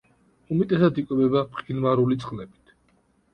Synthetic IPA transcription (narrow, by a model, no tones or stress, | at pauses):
umɛt̪ʼɛsad̪ikʼwɛbɛbapχʼilmaɾulit̪sʼχʼlɛbi̥t̪ʰ